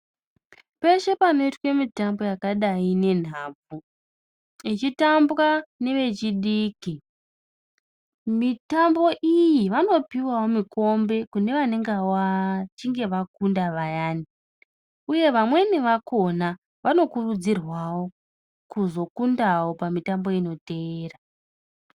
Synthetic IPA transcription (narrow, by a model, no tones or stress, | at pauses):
pe̞ʃe̞pano̞itwe̞mitambo̞jakaɗaine̞n̤aːb͡vu | it͡ʃitamburane̞ʋe̞t͡ʃiɗiki | mitambo̞ʔijiʋano̞piwawo̞miko̞mbe̞kune̞ʋaneŋɡawat͡ʃiŋɡe̞ʋakundaʋajaːni | uje̞ʋamwe̞niʋakʰo̞na | ʋano̞kurud͡zirwawo̞ | kuzo̞kundawo̞pamitambo̞ino̞te̞ːra